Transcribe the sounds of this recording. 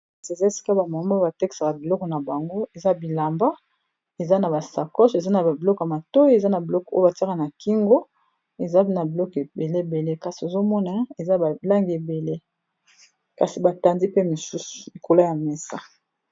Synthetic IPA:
se˨za˦e˨si̥˦ka˦ba˨ma˨˦m˦ba˨tɛ˦ki̥˨sa˨ka˨bi˨lɔ˦kɔ˨na˨ba˨ŋɡo˦e˨za˦bi˨la˨mba˦ | e˨za˦na˨ba˨sa˨kɔ˦ʃe˨za˦na˨ba˨bi˨lɔ˦ka˨ma˨tɔ˦je˨za˦na˨bi˨lɔ˦kɔ˨o˦jba˨ti˦ka˨na˨ki˦ŋɡo˦ | e˨za˦pe˦na˨bi˨lɔ˦ke˨be˨le˦˨be˨le˦ka˨si˨o˨zo˦mɔ˦na˨˦e˨za˦ba˨la˦ŋɡe˨be˨le˦ | ka˨si˨ba˨ta˨ndi˦pe˦mo˨su˦su̥˨li˨ko˨la˦ja˨mɛ˨sa˦

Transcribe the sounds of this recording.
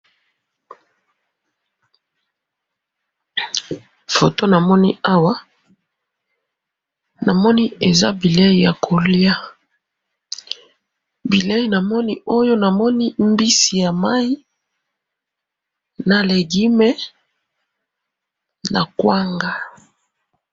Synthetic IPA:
fo˨to˦na˨mɔ˦ni˦a˦wa˦ | na˨mɔ˦ni˦e˨za̰˦bi˨le˦i˨ja˨kʰo˨lja˦ | bi˨le˦ji˨na˨mɔ˦ni˦o˦jo˦na˨mɔ˦ni˦mbi˦si˨ja˨ma˦i˦ | na˨le˨ɡi˦mɛ˦ | na˨kwa˦ŋɡa˦

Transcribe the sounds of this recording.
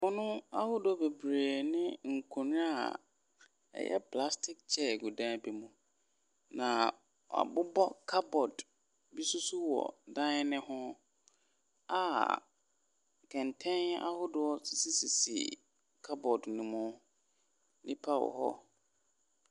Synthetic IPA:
mɔ˦nʊ̃˦a˦hʊ˦dʊ˦ɔ˦be˨bɾeː˨nɪ̃˦ŋ̩˨kʰʊ̃˨ñ˦a˦˨ | ɛ̰˨jɛ̰˦pʰla˦stʰɪ˦k̚t͡ɕʰɛ˦˨ɡu˨dã˦bi˨mũ˨ | nã˨ | a̰˨bʊ˦bɔ˦kʰa˦bɔ˨d | bi˦su˦su˦wɔ̰˨dã˦ɪ˦nɪ̃˦hʊ̃˦ | a˨ | kʰɛ̃˨ntʰɛ̃˦n˦a̰˦hʊ˦dʊ˨ɔ˦si˨si˦si˨sḭ˨ | kʰa˦bɔ˨dnʊ̃˨mʊ̃˦ | nĩ˦pʰa˦wɔ̰˨hɔ̰˦

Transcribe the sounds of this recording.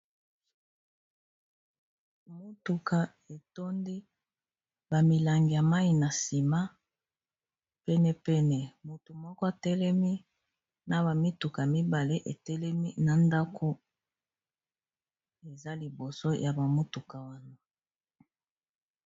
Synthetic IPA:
mo˦tu˨ka˨ | e˨to˦ndi˦ | ba˨mi˨la˨ŋɡi˨ja˨ma˦i˨na˨si˨ma˦ | pɛ˦nɛ˨pɛ˦nɛ˨mu˨tu˨mɔ˦kɔ˦a˨tɛ˦lɛ˦mi˦ | na˨ba˨mi˦tu˨ka˨mi˦ba˨le˦ʔe˨tɛ˦lɛ˦mi˦na˨nda˦kʰo˦ | e˨za˦li˨bo˨so˦jʔa˨ba˨mo˦tu˨ka˨wa˦na˨

